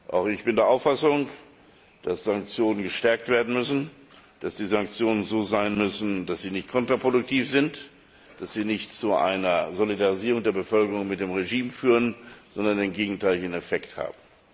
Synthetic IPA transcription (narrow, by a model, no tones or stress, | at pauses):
ʔa̰ʊxɪçb̥ɪndeːɐʔaʊfasʊŋ | d̥asz̥aŋk̚t͡sjoːnənɡəʃtɛɐk̚tv̥eːɐdn̩mʏsn̩ | d̥asd̥iːzaŋk̚t͡sjoːnənzoːzaɪnmʏsn̩dasz̥iːnɪçtkʰɔntʁ̥apʁ̥odʊk̚tʰiːfz̥ɪnt | d̥asz̥iːnɪçtt͡suʔa̰ɪnɐzolidaʁiziːʁ̞ʊŋdeːɐbəfœlkəʁʊŋmɪt̚d̥eːmʁeʒiːmfyːʁənz̥ɔndɐneːmɡeːɡŋ̩tʰaɪlçenɛfɛktha̰ːbm̩